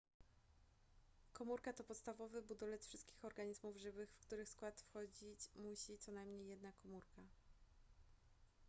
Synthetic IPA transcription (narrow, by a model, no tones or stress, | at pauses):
kɔmuɾkat̪ɔpɔt̪st̪avɔvɘbud̪ɔlɛt̪fʂɘst̪kʲixɔɾɡaɲizmuvʐɘvɘxfkt̪uɾɘxskwat̪fxɔd͡ʑit͡ɕmuɕit̪sɔnajmɲejːɛd̪̚nakɔmuɾka